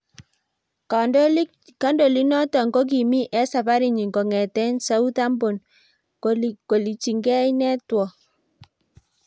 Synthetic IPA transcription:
ka˨nd | ka˦ndo˨li˦nɔ˦tɔ˨ŋɡo˦k̬i˨mi˦ʔɛ˦sa˨pa˦ɾi˨ɲi˨ŋɡo˨ŋɛ˨tɛ˦nsa˦u˦ta˦mbo˨n | oko˨li˨t͡ʃi˨ŋɡɛ˦i˦nɛ˦twɔ˨

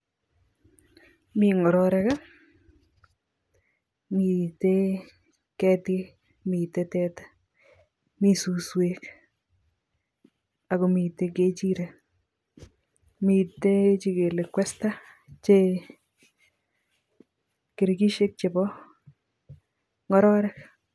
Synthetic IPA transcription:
miŋɔ˨ɾɔɾɛka˦ | mi˨te | kɛ˦tɪ˦ | mi˨te˦tɛ˦tḁ | mi˦su˨swek | a˨komi˨te˦ket͡ʃiɾe | mi˨tet͡ʃi˧ke˨le˨kwɛsta˦ | t͡ʃe | ke˨ɾɡi˦ʃe˦k̚t͡ʃe˨bɔ | ŋɔ˦ɾɔ˦ɾɛk

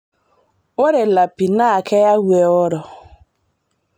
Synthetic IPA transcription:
o˦ɾe˨la˨pi˨na˦˨kʰe˦ja˦wʷe˨ɔ˦ɾɔ˨

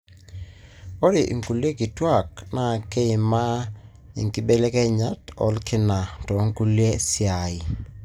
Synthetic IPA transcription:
ɔ˦ɾɪ˨ʔḭ˨ŋku˨lje˦kɪ˨twa˦˨kna˨ke˦ɪ˨ma˦ | ḭ˨ŋki˦be˦le˦kɛ˦ɲa˦tɔ̰˨˦lkɪ˦na˨tɔ˨˦ŋ˦ku˦lje˦sɪ˦a˨ɪ˨

